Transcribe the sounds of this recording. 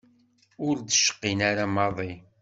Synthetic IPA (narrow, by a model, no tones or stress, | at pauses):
ʊɾd̪əʃə̥qːinaɾamɑðˤi